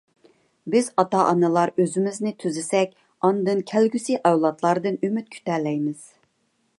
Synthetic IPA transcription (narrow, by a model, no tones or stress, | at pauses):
bɪzɑt̪ɑʔɑnɨlˠɑɾøzɪmɪznɪt̪ʰyzɪsɛkʲ | ɑnd̪ɨnkʲʰælɡʲysiʔɛwlˠɑt̪ʰlˠɑɾd̪ɨnymyt̪̚kʲʰy̥t̪ɛlɛjmɪz̥